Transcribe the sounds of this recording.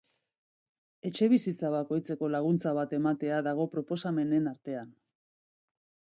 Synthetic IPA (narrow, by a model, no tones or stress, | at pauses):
e̞t͡ʃe̞βisit͡saβako̞jt͡se̞ko̞laɣ̞unt͡saβ̞at̪e̞mat̪e̞aðaɣ̞o̞pɾo̞po̞same̞ne̞naɾt̪e̞an